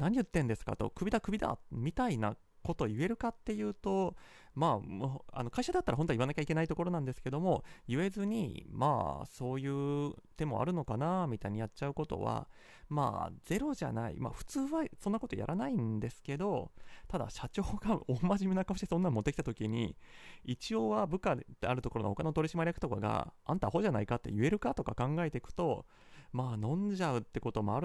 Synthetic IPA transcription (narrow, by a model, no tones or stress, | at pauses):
naɲ̟ijɯ̟t̪ːẽ̞nd̪e̞sɨ̥ka̰t̪o̞̰kɯ̟bʲid̪akɯ̟bʲid̪a̰mʲit̪aina̰ | ko̞t̪o̞ie̞ɾɯ̟kat̪ːe̞jɯ̟ːt̪o̞ | maːma̰no̞kaiɕad̪at̪ːaɾaɦõ̞t̪oiβanakʲaike̞nait̪o̞ko̞ɾo̞nãnd̪e̞sɨ̥ke̞d̪o̞mo̞jɯ̟e̞zɨɲ̟ḭma̰ːso̞ːjɯ̟ːt̪e̞mːo̞ʔa̰ɾɯ̟no̞kanamʲit̪aiɲ̟ijat̚t͡ɕaɯ̟ko̞t̪o̞̰βa̰ | ma̰ːd͡z̥e̞ɾo̞ʑa̰na̰ḭma̰ɸɯ̟̥t͡sɨːβasõ̞nːako̞t̪oja̰ɾʔanaĩnd̪e̞sɨ̥ke̞d̪o̞t̪ad̪a̰ɕat͡ɕo̞ːɡaomːaʑimenakaoɕit̪esonːãmmo̞t̪ːekʲi̥t̪at̪o̞kʲiɲ̟ḭit͡ɕio̞ːβabɯ̟kat̪ːeaɾɯ̟t̪o̞koonoho̞kano̞t̪o̞ɾʲiɕimaɾʲijakɯ̟̥t̪o̞kaɡa̰ã̰nt̪aho̞ʑanaikat̪ːḛjɯ̟e̞ɾɯ̟kat̪o̞kakãŋɡae̞t̪e̞kɯ̟̥t̪o̞ | maːnõ̞ɲd͡ʑaɯ̟t̪ːe̞ko̞t̪o̞mo̞aɾɯ